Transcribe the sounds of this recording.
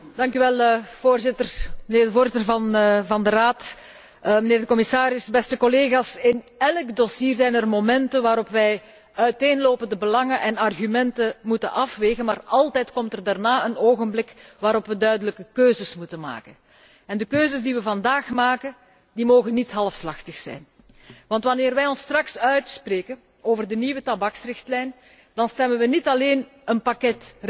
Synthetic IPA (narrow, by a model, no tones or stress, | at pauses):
d̥ɑŋkyʋɛlˠv̥oːrzɪtərməneːrdəvoːrzɪtərvɑnvɑndəraːt | məneːrdəkɔmɪsaːɾɪsbɛstəkɔleːɣaːsɪn | ɛlkdosiːrzɛjnərmomɛntənʋaːɾɔpʋɛj | œɥteːnloːpəndəbəlɑŋənʔɛnɑrɣymɛntəmutənʔɑfʋeːɣənmaːrɑlˠtɛjtkɔmtərdaːrnaːənoːɣənblɪkʋaːɾɔpʋədœɥdələkəkøːzəsmutənma̰ːkən | ɛndəkøːzəsdiʋəvɑndaːxmaːkə | dimoːɣənːitɦɑlˠəfslɑxtəxsɛ̰jn | ʋɑntʋɑnɪːrʋɛjɔnstrɑksœɥtspreːkən | oːvərdəniʋətɑbɑksrɪxtlɛjn | d̥ɑnstɛmənʋənitɑleːn | ənpakɛt